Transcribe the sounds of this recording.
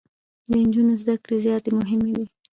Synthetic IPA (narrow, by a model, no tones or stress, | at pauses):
d̪ənd͡ʒunozd̪akɽezjɑt̪emʊɦɪmed̪i